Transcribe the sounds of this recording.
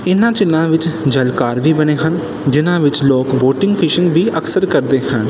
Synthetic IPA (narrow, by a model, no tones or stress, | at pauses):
ɪnãːt͡ʃɪnːãːʋɪt͡ʃd͡ʒəlkaːɾʋiːbəɽ̃eːɦən | d͡ʒɪnãːʋɪt͡ʃloːkboːʈɪ̃ŋɡpʰɪʃɪ̃ŋɡbiːʔəksəɾkəɾd̪eːɦən